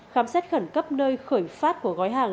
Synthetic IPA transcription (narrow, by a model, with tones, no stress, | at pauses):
xaː˨˦msɛ˦˥t̚xə˧˩nkə˦˥p̚nəː˧jxəː˧˩jfaː˦˥t̚ku˧˩əɣɔː˨˦jɦaː˨˩ŋ